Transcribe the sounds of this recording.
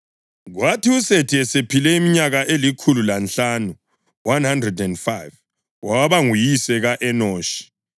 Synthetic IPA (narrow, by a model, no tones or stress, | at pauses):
ɣwatʰiusetʰiɛsepʰilɛimiɲaɣaʔelikʰululanɬanu | wanhandrɛdɛndfajv | wawaβaŋujisɛɣaʔɛnoːʃi̥